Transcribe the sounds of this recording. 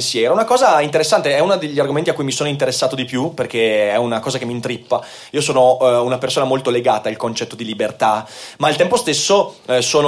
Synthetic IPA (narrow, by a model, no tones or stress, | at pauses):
sjɛːɾoɛunakɔːzaint̪eɾesːant̪eɛunad̪eʎːarɡoment̪iakːujmisoːnoint̪̬eɾesːaːt̪od̪ipjuperkeɛunakɔːzakemːint̪ɾipːa | iːosoːnounapersoːnamolt̪oleɡaːt̪ailkont͡ʃɛt̪ːod̪ilibert̪amalt̪ɛmpost̪esːosoːn